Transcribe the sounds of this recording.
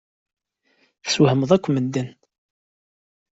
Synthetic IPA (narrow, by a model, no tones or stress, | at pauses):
θswhəməðˤækʷːməd̪ːən